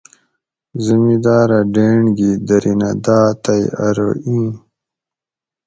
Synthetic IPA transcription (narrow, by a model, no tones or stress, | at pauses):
zɐmid̪aːɾɐɖeːɳɡid̪ɐɾinɐd̪aːt̪ɐjɐɾo̰ʔĩː